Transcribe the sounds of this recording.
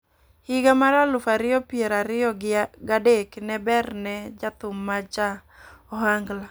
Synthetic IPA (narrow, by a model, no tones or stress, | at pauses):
hɪɡamaɾalʊfaɾɪjɔpɪɛɾaɾɪɔɡadeknɛbɛrnɛd͡ʒat̪ʊmːat͡ʃa | ɔɦaŋɡla